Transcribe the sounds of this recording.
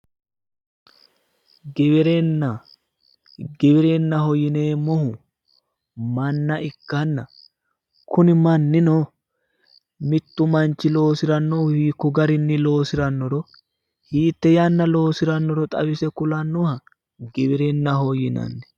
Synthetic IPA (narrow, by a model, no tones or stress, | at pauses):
ɡɛbɛɾenːɐ | ɡɛbɪɾenːɐɦɔjɪne̞ːmɔhʊ | mɐnːɐʔɪkːɐnːɐ | kʰʊnɪmɐnːɪnoː | mɪt̪ːʊmɐnt͡ʃːɪlo̞ːsɪɾɐnːɔhiːkːʊɡɐɾɪnːɪlo̞ːsɪɾɐnːɔɾɔ | hiːt̪ːɛjɐnːɐlo̞ːsɪɾɐnːɔɾɔt̪ʼɐ̰bɪsɛkʊlɐnːɔhɐ | ɡɛbɪɾenːɐhɔjɪnɐ̰nːɛ